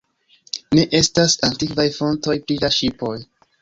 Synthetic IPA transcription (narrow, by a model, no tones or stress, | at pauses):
ne̞ʔe̞stasantikvajfo̞nto̞jpɾilaʃipo̞j